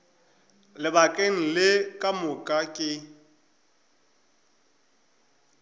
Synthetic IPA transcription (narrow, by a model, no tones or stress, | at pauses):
lɪbakʼeŋ̩lɪkʼamʊkʼakʼɪ